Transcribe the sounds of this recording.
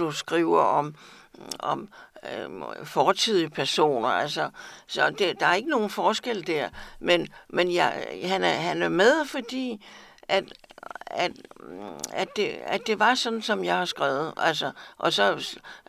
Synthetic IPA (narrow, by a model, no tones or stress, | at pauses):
usɡ̥ʁiʊɐʔɒ̽m | ɒ̽m | fɒːt͡sʰið̞̰ˠiəpʰæɐso̝̰ːnɐælsɐsɒd̥ed̥ɑ̈æɐe̝ɡ̥əno̝ːn̩fɒːsɡ̥el̰d̥æɐ̰menmenjɑɪɦænæɦænæɐmeð̞ˠfɒ̽d̥ḭːʔæd̥ | æd̥ | æd̥e̝æd̥e̝ʋɑ̈sɒ̽d̥n̩sɒ̽mjɑ̈ɪhɑ̈sɡ̥ʁaːʊð̩ˠʔælsɒʔɒ̽sɒ̽